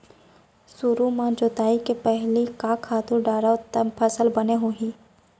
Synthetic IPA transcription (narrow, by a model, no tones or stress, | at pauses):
suɾumãd͡ʒoːt̪aːikepɛɦlikaːkʰːaːt̪uɾɖaːɾat̪əpʰɐsəlbɐneɦoːɦĩː